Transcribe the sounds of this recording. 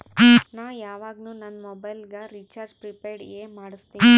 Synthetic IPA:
naːʋjaːʋaːɡnuːnɐnːmɔbɐjlɡɐɾiːt͡ʃaːɾd͡ʒpɾipeːɾɖeːmaːɽist̪iː

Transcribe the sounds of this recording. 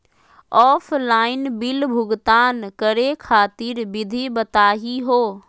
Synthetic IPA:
ɔːfʰlaːɪnbɪlbʱʊɡt̪aːnkɐɾekʰaːt̪ɪɾbɪd̪ʱibɐt̪aːɦiɦoː

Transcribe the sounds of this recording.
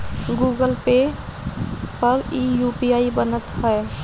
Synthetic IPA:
ɡuɡəlpe | pəɾijupiaibənət̪ɦəe

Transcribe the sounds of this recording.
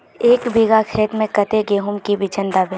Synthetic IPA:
eːkbiɡakʰeːt̪mẽkɐt̪eɡeːɦʊmkibit͡ʃənd̪aːbe

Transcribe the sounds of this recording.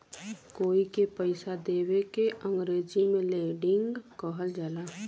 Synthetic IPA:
koːikepəɪsad̪eːwekeʔə̃ŋɡɾeːd͡ʒimẽleɖɪŋɡkɔɦəld͡ʒaːlaː

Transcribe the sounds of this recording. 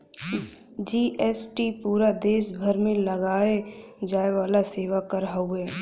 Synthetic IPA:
d͡ʒiːʔɛsʈipuːɾad̪eːʃbʱəɾmẽləɡaːed͡ʒaːeʋaːlaseːʋakəɾɦauɛː

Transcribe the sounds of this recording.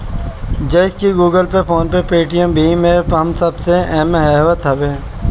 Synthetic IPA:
d͡ʒɐɪskiɡuːɡəlpepʰoːnpepeːʈijəmbʱimepɦɐmsɐbseɛːmeɦɛːʋət̪ɦɐbeː

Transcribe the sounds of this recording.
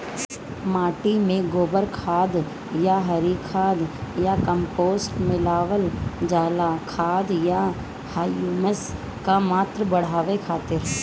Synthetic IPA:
maːʈimẽɡoːbəɾkʰaːd̪ | jaɦɐɾiːkʰaːd̪jakəmpoːsʈmɪlaːʋəld͡ʒaːlakʰaːd̪ja | haːjuːməs | kamaːt̪ɾəbɐɽ̤aːʋekʰaːt̪ɪɾ

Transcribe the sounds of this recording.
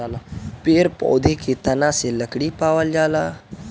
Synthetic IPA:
lapeɾpɔ̰ːd̪ʱeket̪ɐnãseləkɽipaːʋəld͡ʒaːlaː

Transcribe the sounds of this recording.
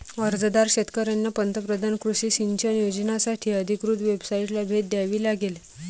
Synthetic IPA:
əɾd͡zd̪aɾɕet̪kəɾjanːapənt̪əpɾəd̪ʱankɾuɕiːsiɲt͡ɕʰənjod͡ʑənasaʈʰiːəd̪ʱikɾut̪ʋebsaiʈlabʱet̪̚d̪jaʋiːlaɡel

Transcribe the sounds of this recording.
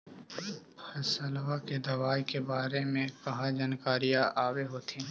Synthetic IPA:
pʰɐsɐlʋaked̪ɐʋaːjkebaːɾemẽkɐɦãd͡ʒaːnkaːɾijaʔaːweɦoːt̪ʰĩ

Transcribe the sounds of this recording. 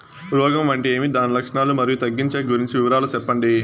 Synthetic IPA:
ɾɔːɡɐmʋɐɳʈieːmid̪aːnilɐkʂɐɳaːlumɐɾijut̪ɐɡːiɲt͡ʃeːɡuɾiɲt͡ʃiʋiʋɐɾaːlusɛpːɐɳɖi

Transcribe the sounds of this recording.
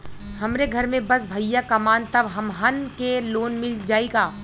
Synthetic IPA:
hɐmɾeɡʱɐɾmẽbɐs̬bʱɐjakɐmaːnt̪ɐbɦɐmɦɐnkeloːnmɪld͡ʒaːeːɡaː

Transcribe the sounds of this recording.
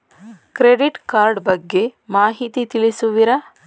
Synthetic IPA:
kɾeɖiʈkaːɾɖbɐɡːe̞maːɦit̪it̪ilisuʋiɾɐ

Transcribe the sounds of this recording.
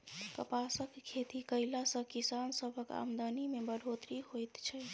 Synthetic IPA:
kəpasəkkʰːet̪ikəjlasə̃kisansəbʱəka̰md̪ənimebəɽʱot̪ɾihojt̪t͡ʃʰɛ

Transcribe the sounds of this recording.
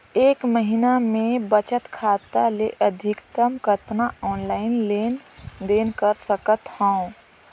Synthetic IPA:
eːkməɦinamẽbət͡ʃət̪kʰaːt̪aleʔəd̪ʱɪkt̪əmkəɾt̪naɔːnlaːɪnleːnd̪eːnkəɾsəkət̪hə̃

